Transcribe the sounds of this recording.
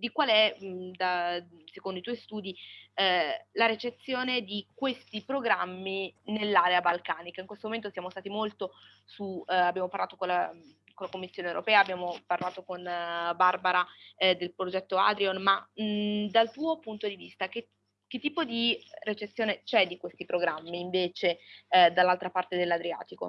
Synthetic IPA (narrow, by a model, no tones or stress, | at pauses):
d̪ikwaːleɛd̪asekond̪oit̪oɔjst̪uːd̪i | laɾet͡ʃet̪sːjoːned̪ikwest̪ipɾoɡɾamːinelːaːɾeabalkaːnikaiŋkwest̪omoment̪osjaːmost̪aːt̪imolt̪o | suabːjaːmoparlaːt̪okola | kolakomːisːjonewɾo̰pɛːaːbːjaːmoparlaːt̪okonbarbaɾad̪elpɾod͡ʒɛt̪ːoa̰d̪ɾionma | d̪alt̪uːopunt̪od̪ivist̪ak̟e | k̟et̪ːiːpod̪iret͡ʃet̪sːjoːnet͡ʃɛd̪ikwest̪ipɾoɡɾamːiːɱveːt͡ʃed̪alːalt̪ɾapart̪ed̪elːad̪ɾia̰ːt̪iko̰